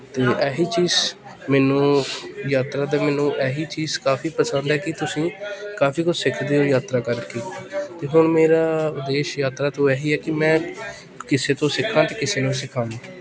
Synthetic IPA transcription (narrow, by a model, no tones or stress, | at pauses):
t̪eːʔɛːɦiːt͡ʃiːz | mɛːnũːjaːt̪ɾaːd̪aːmɛːnũːʔɛːɦiːt͡ʃiːzkaːfʰiːpəsənd̪ɦɛːkɪt̪ʊsĩːkaːpʰiːkʊsɪkʰd̪eːoːjaːt̪ɾaːkəɾkeːt̪eːɦʊɳmeːɾaːd̪eːʃjaːt̪ɾaːt̪õːɛːɦiːɛːkɪmɛ̃ː | kɪseːt̪õːsɪkʰãːt̪eːkɪseːnõːs̬ɪkʰãːaː